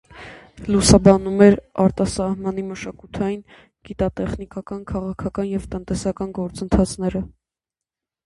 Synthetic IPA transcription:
lusɑbɑnumɛɾɑɾt̪ɑsɑhmɑn̪iməʃɑkut̪ʰɑjin | ɡ̥it̪ɑt̪ɛχnikɑkɑnkʰɑʁɑkʰɑkɑnjɛvt̪ənt̪ɛsɑkɑnɡɔɾt͡sənt̪ʰɑt͡sʰnɛɾə

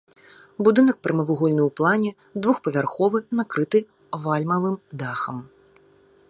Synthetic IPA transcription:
bud̪ɨnɐk̚pɾɨmɐvuɣɔlʲnɨwplˠanʲɛ | d̪vuxpɐvʲarxɔvɨnakɾɨt̪ɨ | valʲmɐvɨmd̪axɐm

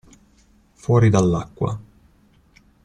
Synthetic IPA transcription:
fwɔːɾid̪alːakːwa̰

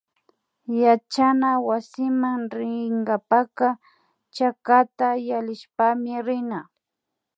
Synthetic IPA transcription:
jat͡ʃanawasɪmaŋɾɪŋɡapaka | t͡ʃakat̪ajalɪʃpamɪɾɪna

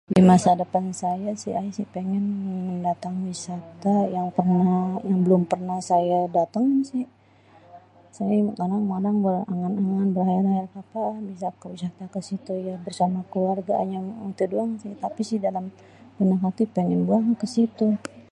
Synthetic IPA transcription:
dimasadəpansajasɪajisɪhpeŋɛnməndat̪aŋwisat̪ajaŋpərnajaŋbəlʊmpərnahsajadat̪aŋsɪh | sajakadaŋmadaŋbəraŋanaŋanbəɾhaɛɾaɛrkapabisakəwisat̪akəsit̪ujabərsamakəluarɡaʔa̰ɲaət̪uduaŋsɪht̪apisɪhdalam | kənakat̪ihpeŋɛnbuaŋkəsit̪u

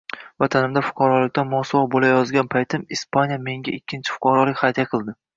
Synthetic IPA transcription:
vat̪ʰanɪmd̪afʊ̥qʰɑɾɒlˠɪk̚ʲt̪ʰanmɒsɒvɒbolajɒzɡʲanpʰajt̪ʰɪmispʰanʲjame̞ŋɡʲaɪkʲːɪnt͡ʃʰɪ̥fʊ̥qɑɾɒlˠɪkʲχɑjt̪ʰjaqʰɨlˠd̪ɪ

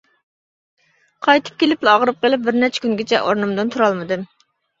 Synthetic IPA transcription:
qʰɑjt̪ʰɨ̥p̚kʲelɪplɑʁɾɨp̚qʰəlˠɪp̚bɪɾnɛt͡ʃʰɛ̥kʲʰyŋɡʲet͡ʃʰɛ̰ʔoɾnɨmd̪ɨnt̪ʰuɾɑlˠmɨd̪ɨm

